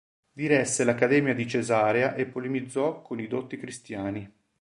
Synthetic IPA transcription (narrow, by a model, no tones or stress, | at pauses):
d̪iɾɛsːelakːad̪ɛːmjad̪it͡ʃezaːɾjaʔepːolimid̪zːɔkʰːonid̪ot̪ːikɾist̪jaːni